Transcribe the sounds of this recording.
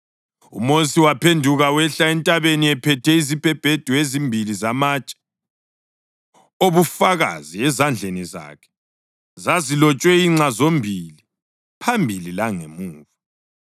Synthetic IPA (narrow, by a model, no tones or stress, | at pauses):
ṵmosiwapʰendʱuɣawɛɬaɛntʼaβeniɛpʰɛtʰɛizib̥ʱɛb̥ʱed̥ʱuezimbʱilizamat͡ʃʼɛ̥ | oβufaɣa̰ziɛzand͡ɮʱeniza̰ːkʰɛ̥ | zazilɔt͡ʃʼwɛiŋ͡ǀazombʱili | pʰambʱililaŋemuːvu